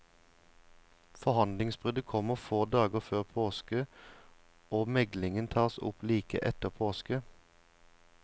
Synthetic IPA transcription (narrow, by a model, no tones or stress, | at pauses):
fɔhɑnlɪŋsbʁʏd̪əkʰɔməʁfoːd̪ɑːɡəʁføːʁpʰoːskə | oːmɛɡlɪŋənt̪ʰɑːʁsʊ̰pliːkə̰ʔɛt̪əʁpʰoːskə